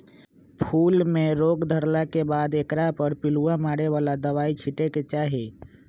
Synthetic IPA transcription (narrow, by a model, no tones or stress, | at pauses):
pʰuːlmẽɾoːɡd̪ʱəɾlakebaːd̪ekɾapəɾpɪluãmaːɽeʋaːlad̪əʋaːit͡ʃʰɪʈeket͡ʃaːɦeː